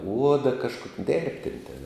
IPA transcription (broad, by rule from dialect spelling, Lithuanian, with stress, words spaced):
ˈuɔdɐ kɐʃˈkoːk ˈdʲeːrʲpʲtʲeːnʲ tʲeːn